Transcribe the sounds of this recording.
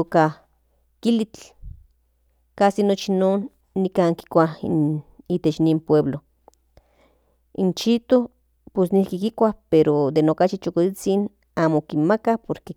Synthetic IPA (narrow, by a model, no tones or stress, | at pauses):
oka | kilit͡ɬ | kasinot͡ʃinoːnː | ikaːŋki̥kʷaḭniːt̪et͡ʃnimpweβlo | int͡ʃit̪o | posnihkikikʷapeɾod̪enokat͡ʃit͡ʃokot͡sit͡sin | aːmokinmakapoɾke